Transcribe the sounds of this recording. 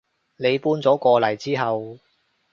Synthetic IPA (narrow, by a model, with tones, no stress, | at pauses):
ne˨˧jpuː˥nt͡sɔː˨˥kɔː˧lɐ˨˩jt͡siː˥ɦɐ˨w